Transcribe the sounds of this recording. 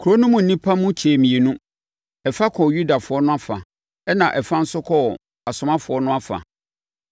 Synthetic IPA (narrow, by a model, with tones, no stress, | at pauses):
kʰu˨ɾo˦nʊ̃˦mʊ̃˨n̩˨nĩ˦pʰa˦mʊ̃˦t͡ɕʰeː˨mĩ˨e˨nũ˦ | ɛ˨fa˦kʰɔ˨ju˦da˨fʊ˨ɔ˦nʊ̃˦a˦fa̰˨ | ɛ˦nã˨ʔɛ˨fã˦n̩˦sʊ˦kʰɔ˦˨ | a˨sʊ˦mã˦fʊ˨ɔ˦nʊ̃˦a˦fa̰˨